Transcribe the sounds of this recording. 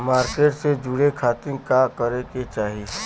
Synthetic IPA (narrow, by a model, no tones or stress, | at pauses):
maːɾkeːʈsed͡ʒʊɽekʰaːt̪ɪ̃ŋkakəɾeket͡ʃaːɦi